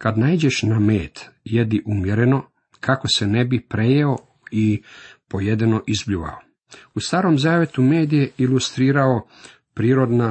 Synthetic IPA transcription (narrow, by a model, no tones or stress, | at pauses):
kad̪naid͡ʑe̞ʃnameːt̪jed̪iʔumje̞ɾe̞no̞ | kʰako̞sene̞bipɾe̞jeo̞ | ipo̞jed̪ino̞ʔizbʎuʋa̰o | ust̪aːɾo̞ːmzaːʋjet̪ume̞ːd̪ijeilust̪ɾiːɾao̞ | pɾiːɾo̞d̪na